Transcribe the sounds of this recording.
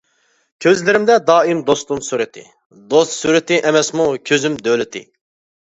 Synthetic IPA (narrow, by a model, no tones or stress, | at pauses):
kʲʰøzlɪɾɪmd̪ɛd̪ɑːimd̪ost̪umsuɾɪt̪ʰɪ̰ | d̪ost̪suɾɪt̪ɪʔɛmɛsmukʲʰøzymd̪ølɪt̪ʰɪ̰